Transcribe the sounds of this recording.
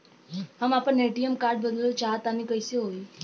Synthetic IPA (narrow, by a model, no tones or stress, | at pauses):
ɦəmapəɳeʈijəmkaɾɖbəd̪lot͡ʃaɦt̪amikəjseɦoi